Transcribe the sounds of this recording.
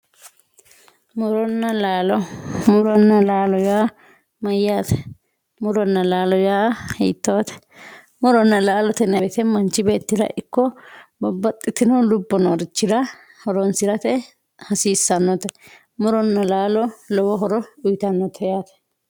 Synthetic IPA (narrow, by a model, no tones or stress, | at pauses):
mɔɾɔnːɐlaːlɔmɔɾɔnːɐlaːlɔjaː | mɐjːaːt̪ɛ̥ | mɔɾɔnːɐlaːlɔjaːhɛ̰jt̪ːoːt̪ɛ̥ | mɔɾɔnːɐlaːlɔt̪ɛnɐbt̪ɛmɐnt͡ʃːɪbe̞ːt̪ːɪɾɐ̰ʔɪkːɔbɔbːɐt̪ʼːɪt̪ːɪnɔlʊbːɔnɔɾɪt͡ʃːɪɾɐ | hɔɾɔnsɪɾɐt̪ɛ | hɐsiːsːɐnːɔt̪ɛ | mɔɾɔnːɐlaːlɔlɔwɔɦɔɾɔʊjt̪ɐnːɔt̪ʰɛjaːt̪ɛ̥